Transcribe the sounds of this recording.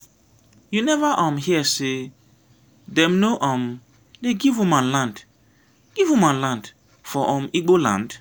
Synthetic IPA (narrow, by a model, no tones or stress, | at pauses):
junɛvaʔãmhiɛse | dɛ̃mnoʔɔ̃m | leɡivũmãnlãnd | ɡ̥ivũmãnlãnd | fɔʔɔ̃miɡ͡bolã̰nd